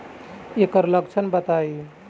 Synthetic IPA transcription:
ekəɾləkt͡ʃʰənbət̪ai

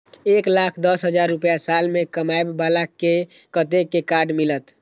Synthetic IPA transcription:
eklakʰd̪əsɦəd͡ʒaɾːupjasalmekəmaebːalakːe | kət̪ekːekaɾɖmilət̪

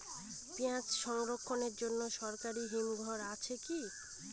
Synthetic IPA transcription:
piãt͡ɕʃɔŋɾokʰːoneɾd͡ʑonːoʃɔɾkaɾiɦimɡʱɔɾat͡ɕʰeki

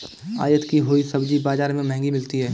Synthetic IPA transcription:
a̰ːjət̪kiɦoːisɐbd͡ʒibaːzaːɾmẽmɛɦɛ̃ŋɡimɪlt̪iɦɛː

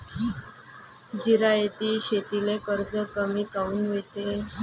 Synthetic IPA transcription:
d͡ʑiɾajet̪iːɕet̪ilekəɾd͡zəkəmiːkauːnʋet̪e

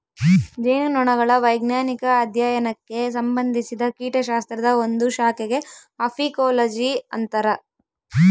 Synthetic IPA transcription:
d͡ʒeːnnɔɳɐɣɐɭɐʋɐjɡnjaːnikɐːd̪ʱjaːjɐnɐkːe̞s̬ɐmbɐnd̪ʱisid̪ɐkiːʈɐʃaːst̪ɾɐd̪ɐond̪uʃaːkeɡe̞ɐpʰikoːlɐd͡ʒiɐ̰nt̪ɐɾɐ

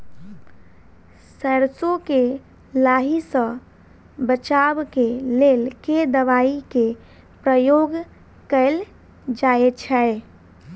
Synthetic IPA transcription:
səɾsoke | laɦisə̃ | bət͡ʃabkelelked̪əʋaike | pɾəjoɡ | kəɪl | d͡ʒaet͡ʃʰɛ

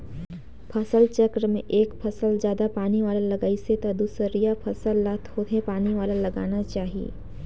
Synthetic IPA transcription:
pʰɐsəlt͡ʃɐkɾəmḛ̃ʔeːkpʰɐsəld͡ʒjaːd̪apaːniʋaːləlɐɡaːiset̪ad̪uːsəɾijapʰɐsəlːat̪hoːt̪epaːniʋaːlalɐɡa̰ːnat͡ʃaːɦiḛː

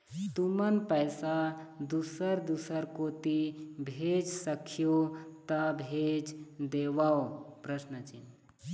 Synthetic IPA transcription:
t̪umənpəjsad̪usəɾd̪usəɾkot̪ibʱed͡ʒsəkʰijot̪ɐbʱed͡ʒd̪eʋaopɾəsnət͡ʃin

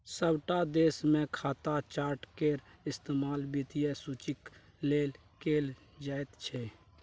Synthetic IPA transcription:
səbʈad̪eːsmẽkʰaːt̪at͡ʃaːɾʈkeɾɪst̪eːmaːlbit̪ijesut͡ʃɪk | leːl | keːl | d͡ʒaːet̪t͡ʃʰɛ

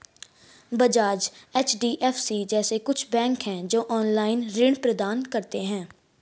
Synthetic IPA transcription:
bəd͡ʒaːd͡ʒeːt͡ʃʰɖiːʔɛːfʰsiːd͡ʒɛːseːkʊt͡ʃʰbɛ̃ːŋkɦɛ̃ːd͡ʒoːʔɔːnlaːɪnɾɪɳ̃pɾəd̪aːnkəɾt̪eːɦɛ̃ː

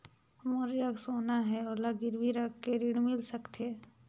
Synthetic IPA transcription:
ɦɐmoːɾiɾɐɡsoːnaɦɛɔːlaɡɪɾbʱiɾɐɡkːeɾiɽmɪlsɐkt̪eː

